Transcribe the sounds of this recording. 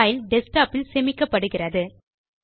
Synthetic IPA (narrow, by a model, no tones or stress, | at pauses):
jɪlɖɛsʈaːpːɪlsɛmɪkːɐpːɐɽɯɣɪrɐðɯ